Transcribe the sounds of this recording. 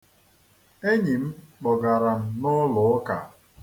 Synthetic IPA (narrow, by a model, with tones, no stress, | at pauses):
e˦ɲi˨m̩˦k͡pɔ˨ɡa˨ɾa˨m̩˦nʊ˦lʊ˨˦ka̰˨